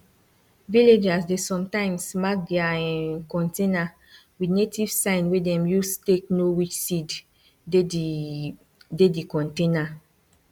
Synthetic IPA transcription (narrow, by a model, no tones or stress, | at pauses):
viled͡ʒasdesɔ̃mtãɪ̃msmak̚ɡiaɛ̃nkɔ̃ntena | widnetiv̥sãɪ̃nwedɛ̃mjusteknowit͡ʃsid | dedikɔ̃ntẽna